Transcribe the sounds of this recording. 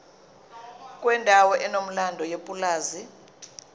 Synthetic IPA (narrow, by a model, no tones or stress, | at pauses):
kʼwɛndʱawɔʔɛnom̩landʱɔjepʼulaːzi